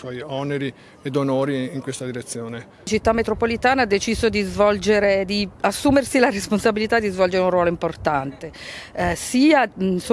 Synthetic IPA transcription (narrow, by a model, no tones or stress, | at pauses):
swɔjɔneɾi | ed̪onoːɾiiŋkwest̪ad̪iɾet̪sːjoːne | t͡ʃit̪ːamːet̪ɾopolit̪aːnaad̪ːet͡ʃiːzod̪izvɔld͡ʒeɾed̪iasːuːmersilaresponsabilit̪ad̪ːizvɔld͡ʒeɾeunrwɔːloimport̪ant̪esiːaso